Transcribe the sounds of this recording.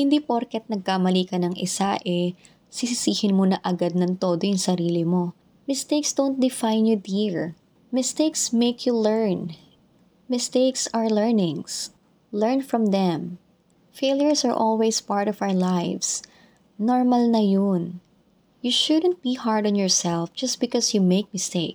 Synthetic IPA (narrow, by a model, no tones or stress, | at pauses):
hɪnd̪iːpoɾkɛt̪̚nɐɡ̚kamɐliːkɐnɐŋʔɪsaʔɛ | sɪsɪsiːhɪnmonɐʔɐɡad̪̚nɐŋt̪od̪ojʊŋsɐɾiːlɪmo̞ | mɪst̪ejksd̪ont̪̚d̪ɪfajnjud̪iɹ | mɪst̪ejksmekʰjulɛɹn | mɪst̪eksɐɹlɛɹnɪ̃ŋs | lɛɹnfɹɔ̃mðɛ̃m | feljɔɹsɐɹʔɔlwejspaɹt̪ɔvawəɹlajvs | nɔɹmɐlnɐjon | juʃʊd̪ənt̪̚b̥ihaɹd̪ɔnjɔɹsɛlfd͡ʒɐst̪̚bɪkɔsjumeɪk̚mɪst̪eɪk